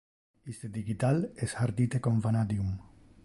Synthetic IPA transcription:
ist̪ed̪iɣit̪aleshaɾd̪it̪ekoɱfanad̪jum

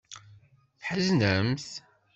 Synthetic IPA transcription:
θħəznəmθ

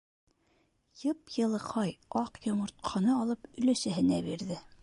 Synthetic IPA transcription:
jɤpjɤ̆lˠɤ̆qʰɑjɑqjŏmŏɾt̪̚qʰɑnɤɑlˠɤpɵ̆læsæɦɘ̆næbiɾðɘ

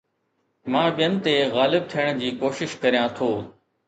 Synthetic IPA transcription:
mãːɓɪjənɪ̆t̪eɣaːlɪb̚t̪ʰijəɽ̃d͡ʑiːkoːʃɪʃkɐɾijãːt̪ʰoː

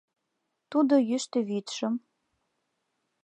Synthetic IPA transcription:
t̪ud̪ojyʃt̪ĕβit̪ʃə̆m

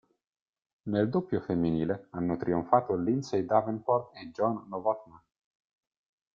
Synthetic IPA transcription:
neld̪opjofemːiniːleanːot̪ɾiuɱfaːt̪olinsejd̪avenfɔrt̪ed͡ʒɔnːovɔt̪man

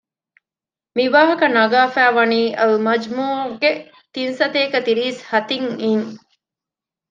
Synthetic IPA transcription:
miʋaːɦɐkɐnɐɡaːfæːʋɐniːʔɐlmɐd͡ʒmuːɡe | t̪insɐt̪eːkɐt̪iɾiːshɐt̪iŋiːŋ

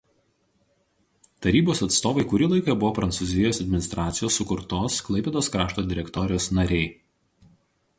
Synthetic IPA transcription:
t̪ɐɾʲiːboːsɐt̪st̪oːʋɐɪkʊɾʲɪlˠɐɪkɐbʊʋoːpɾɐnt̪sʊːzʲɪjoːsɐd̪ʲmʲɪnʲɪst̪ɾʔɑːt̪sʲɪjoːsːʊkʊɾt̪oːsklˠɐɪpʲɛːd̪oːskɾɑːʃt̪oːd̪ʲɪɾʲɛkt̪ɔɾʲɪjoːsnɐɾʲɛɪ

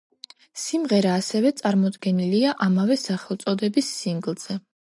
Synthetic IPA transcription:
simʁɛɾaːsɛvɛt̪sʼaɾmɔd̪ɡɛniliaʔamavɛsaχɛlˠt̪sʼɔd̪ɛbisːiŋɡlˠz̥ɛ

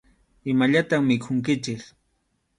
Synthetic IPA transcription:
ɪmaʎat̪aχmɪkʰʊŋkɪt͡ʃɪk

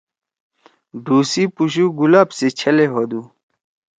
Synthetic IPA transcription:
ɖuːsipuɕ̬uɡulaːbset͡ɕʰɐleɦod̪uː

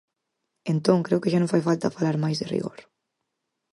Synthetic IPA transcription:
ent̪oŋkɾɛwkeʒanofajfalˠt̪afalaɾmajzðerḭɣo̰ɾ

